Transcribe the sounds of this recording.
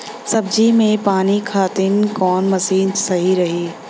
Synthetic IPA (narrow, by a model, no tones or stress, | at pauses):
sɐbd͡ʒimẽpaːnikʰaːt̪ɪnkɔːnmɐsiːnsɐɦiɾɐɦiː